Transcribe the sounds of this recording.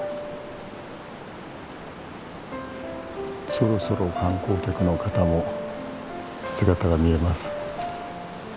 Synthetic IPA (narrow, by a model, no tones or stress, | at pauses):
so̞ɾo̞so̞ɾo̞kãŋko̞ːt̪ʲakɯ̟no̞kat̪amo̞ | sɨɡat̪aɡamʲie̞masɨ̥